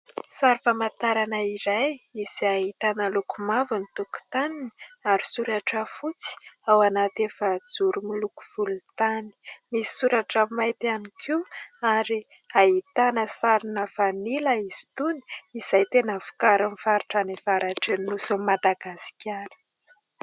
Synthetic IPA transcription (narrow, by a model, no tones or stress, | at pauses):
saɾifamat̪aɾanəiɾajiziaɦit̪anəlukumavanit̪uku̥t̪aniniaɾi̥suɾaʈ͡ʂəfut͡si̥awanat̪efəd͡zuɾumiluku̥v̥ulut̪ani̥misi̥suɾaʈ͡ʂamajt̪ianikʰuaɾi | aɦit̪anəsaɾinəfanilaizi̥t̪uni̥iz̥ajt̪enəvu̥kaɾanfaɾuʈ͡ʂanivaɾaʈ͡ʂenilusumad̪aɡasi̥kʲʰaɾi̥